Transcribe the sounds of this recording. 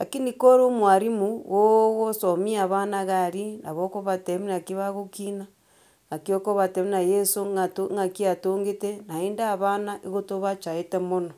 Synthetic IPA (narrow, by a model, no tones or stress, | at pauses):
lakinikoɾomwaɾimuɣwoɣosomiaβanaɣaɾina̰βokoβateminakiβaɣokina | ŋakiokoβateminajesoŋatoŋakiatoːŋɡetenaiːndaːβanaʔiɣotoβat͡ʃaetemono